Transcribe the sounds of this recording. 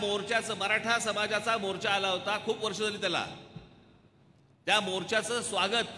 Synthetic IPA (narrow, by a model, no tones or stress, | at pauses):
moɾt͡ɕjat͡səməɾaʈʰasəmad͡zat͡samoɾt͡ɕaːlaɦot̪akʰuːpʋəɾʂəd͡zaliːt̪jala̰ | t̪jamoɾt͡ɕjat͡səːsʋaɡət̪̚